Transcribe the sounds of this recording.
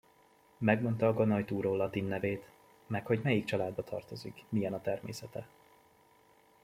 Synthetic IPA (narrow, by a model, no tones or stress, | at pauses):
mɛɡmo̞nt̪ɒːɡɒnɒjt̪uːɾoːlɒt̪inːɛveːt̪ | mɛkho̞ɟmɛjik̚t͡ʃɒlaːd̪bɒt̪ʰɒ̰rt̪o̞zḭkmijɛnɒt̪ɛrmḛːsɛt̪ɛ